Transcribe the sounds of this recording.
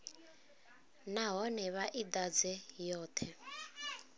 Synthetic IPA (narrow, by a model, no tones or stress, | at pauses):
naɦɔnɛβaʔid̪ad͡zɛjɔːt̪ʰɛ